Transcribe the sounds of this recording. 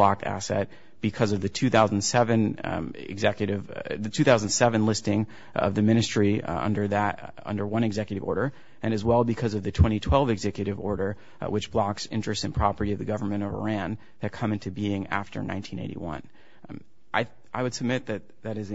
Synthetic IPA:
lɑk̚tæ̰sɛ̰t̚ | b̥ɨkʰʌzʌvðɨtʰʉθaʊzn̩dsɛvɨ̃nɪ̰ɡzɛkjɨɾɪvðɨtʰʉθaʊz̃n̩d̥sɛvɨ̃nlɪstɪ̃ŋ | ʌ̰vðɨmɪ̃ñɨstɹ̥iʌ̰̃ndə˞ðɨɾ | ʌ̰̃ndə˞wʌ̃ñɨɡzɛkjɨɾɨvɔ̰ɹɾə˞ | ʔɨ̃ñɨzwɛlˠbɨkʰʌzʌvðɨtʰw̥ɛ̃ɾ̃itʰw̥ɛlˠvɨɡzɛkjɨɾɨvɔɹɾə˞ | wʔɨt͡ʃb̥lɑksɪ̰̃nt͡ʃɹ̥ɨstsɨ̃npʰɹ̥ɑpə˞ɾiʌvðɨɡʌvə˞mɨ̃ɾ̃ʌvə̰˞æ̃n | ðɨt̚kʰʌ̃mɪ̃ntʉbiɪ̃ŋæ̰ftə̰˞nã̰ɪ̃ntʰĩñḛɪɾḭwʌ̰̃n | ʔaɪ | ʔaɪwɨd̥sɨb̚mɪt̪̚ðɨt̪̚ðɨɾɨz

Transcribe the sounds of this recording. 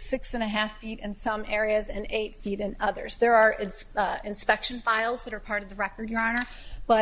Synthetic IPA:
sɪksɨ̃nɨɦæfiɾɨ̃nsʌ̃mɛɹiɨzɨ̃neɪtfiɾɨ̃nʌðə̰˞zðə˞ː | ɪ̃nspɛkʃɨ̃nfaɪlˠzðɨɾə˞pʰɑɹɾʌvðɨɹɛkə˞djə˞ɑñə˞ | b̥ʌ

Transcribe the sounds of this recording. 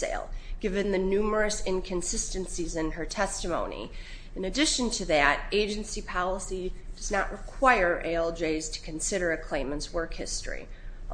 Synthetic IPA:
ḛɪlˠɡ̥ɪvɨ̃nðɨnʉmə˞ɨsɪ̃nkʰɨ̃nsɪstɨ̃nsizɨ̃nə˞tʰɛstɨmõʊ̃nḭ | ɨ̃nɨdɪʃɨ̃ntʰɨðɨɾeɪd͡ʒɨ̃nsipʰɑlˠəsid̥ʌznəʔ̚ɹʔɨkʰw̥aɪə˞ʔeɪlˠd͡ʒeɪz̥tʰɨ̥kʰɨ̃nsɪɾə˞ɨkʰl̥ẽɪ̃mə̃ntswɜ˞khɪstɹ̥ḭ

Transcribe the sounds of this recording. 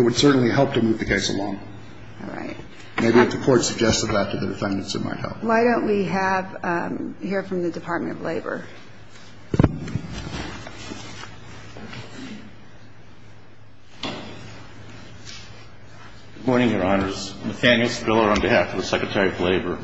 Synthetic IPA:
ɨt̚wɨd̥sɜ˞ʔn̩liɦɛlˠp̚tʰɨmuvðɨkʰeɪsə̰lɔ̃ŋ | ɹa̰ɪt̚ | meɪbiɨfðɨkʰɔɹtsɨɡ̚d͡ʒɛstɨvðətʰɨðɨdɨfɛ̃ndɨ̃nsɨ̰t̚ma̰ɪt̚hɛ̰lˠp̚waɪɾõʊ̃nʔwiɨv | hiɹfɹʌ̃mðɨdɨpʰɑɹt̚mɨ̃ñtʌvleɪbə̰˞ | ɡ̥ɨd̚mɔɹnɪ̃ŋjə˞ɑnə˞z̥mɨθæ̃njl̩ˠsbɪlˠə˞ə̃nbihæfʌvðəsɛkɹɨtʰɛɹiʌvleɪbə˞

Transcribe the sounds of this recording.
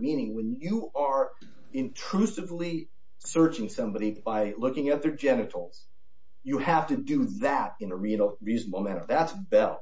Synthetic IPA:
mĩnɪ̃ŋwə̃njɨʔə˞ | ɪ̃ntʰɹ̥ʉsɨvli | sɜ˞t͡ʃɪ̃ŋsʌ̃mbɑɾib̥aɪlʊkɪ̃ŋɨt̪̚ðə˞d͡ʒɛnɨɾl̩ˠz̥ | jɨhæftɨdɨðæɾɨ̃nəɹiɹizn̩bomæ̃ɾ̃ə̰˞ðætsbɛlˠ

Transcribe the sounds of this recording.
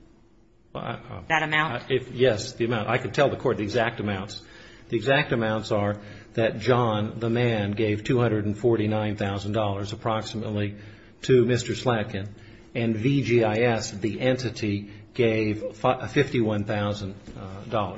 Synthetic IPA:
wɛ̰ðɨɾɨmãʊ̃ɪfjɛsðiɨmãʊ̃tʔaɪkɨ̃ntʰɛlˠðəkʰɔɹt̪̚ðiɨɡzæk̚tɨmãʊ̃ntsðiɨɡzæk̚tɨmãʊ̃ntsə˞ | ðɨt̚d̥ʒ̥ɑ̃nðəmæ̃nɡeɪv̥tʰʉhʌ̃ndɹɨɾn̩fɔɹɾinãɪ̃nθaʊzn̩dɔlˠə˞zəpʰɹ̥ɑksəmətˡli | ɾʰɨmɪstə˞slæt̚kɨ̃n | ɨ̃nvid͡ʒiaɪɛsðiʔɛ̃ntɨɾiɡ̥eɪv̥fɪftiwʌ̃nθaʊzə̃ndɔlˠə˞

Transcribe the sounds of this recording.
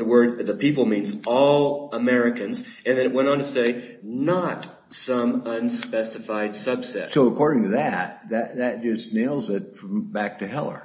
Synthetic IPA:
ðəwɜ˞d̪̚ðəpʰipl̩ˠmĩnzɔlˠəmɛɹɨkɨ̃nz | ɨ̃nðɨ̃nɨʔ̚wɛ̃ñn̩tʰɨseɪnət | sʌ̃mʌ̃nspɛsɨfaɪd̥sʌb̥sɛ̰tsoʊəkʰɔɹɾɪ̃ŋtʰɨðæt̪̚ðɨt̪̚ðɨt̚d̥ʒ̥ʌsneɪlˠzɪt̚fɹʌ̃mbæk̚tʰɨɦɛlˠə̰˞

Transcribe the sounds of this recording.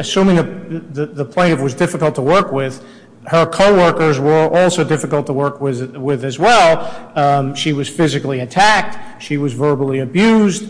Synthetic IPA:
ɨsʉ̃mɪ̃ŋəðɨðəpʰl̥ẽɪ̃ɾ̃ʌvwʌzdɪfəkl̩ˠtʰəwɜ˞kwɪð̥ | hə˞kʰoʊwɜ˞kə˞zwə˞ʔɔlˠsoʊdɪfɨkl̩ˠtʰəwɜ˞kwɪwɪðɨzwɛlˠ | ʃiwʌz̥fɪzɨkliɨtʰæk̚tʃiwʌzvɜ˞bl̩ˠiɨbjʉzd̥

